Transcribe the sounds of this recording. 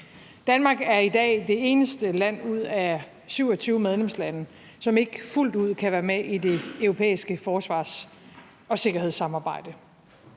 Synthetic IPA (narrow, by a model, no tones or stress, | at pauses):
d̥ænmɑ̈ːɡ̥æɐid̥ɛ̰ːd̥e̝e̝ːnəsd̥əlæn̰uð̰ˠæ | syʊ̰ɒ̽t͡sʰyːʊmeð̞ˠlemslænə | sɒ̽me̝ɡ̥ful̰d̥uð̞̰ˠkʰæʋæːɐmeʔid̥e̝œʊʁo̝pʰḛːisɡ̥əfɒːsʋɑ̰̈ːs | ɒ̽se̝ɡ̥ɐhe̝ð̰ˠsːɑ̈mɑ̈ːb̥ɑ̈ɪ̰d̥ə